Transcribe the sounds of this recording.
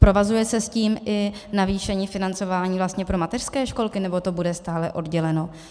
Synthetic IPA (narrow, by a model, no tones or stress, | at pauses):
pɾo̞vazujɛsɛsciːmʔɪnaviːʃɛɲiːfɪnant͡so̞vaːɲiːvlast̪ɲɛpɾo̞mat̪ɛr̥skɛːʃko̞lkɪnɛbot̪o̞budɛst̪aːlɛʔo̞dɟɛlɛno̞